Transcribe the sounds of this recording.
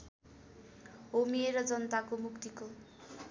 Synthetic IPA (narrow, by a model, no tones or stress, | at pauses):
omieɾʌd͡zʌnt̪akomukt̪iko